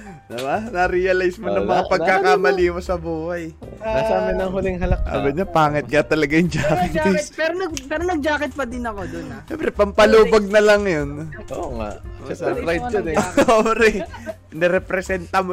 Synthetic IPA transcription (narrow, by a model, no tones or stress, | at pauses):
d̪ɪbanɐɾijɐlajsmonɐŋmɐŋapɐɡ̚kːakamɐliːmosɐbuːhɐj | asaːmɪnɐŋɦʊlɪŋɦɐlɐka̰bɐɲopaːŋɪt̪̚ŋɐt̪ɐlɐɡajʊŋd͡ʒaːkɪpɛɾnɐɡpɛːɾonɐɡ̚d͡ʒaːkɪt̪̚pɐd̪ɪnɐkoonɐsɛmpɾɛpɐmpɐluːbɐɡ̚nɐlɐŋjonʔoːŋa̰ʔsɛɾajt̚ːɐnobɾɛ | nɛɾɛpɾɛsɛnt̪ɐmo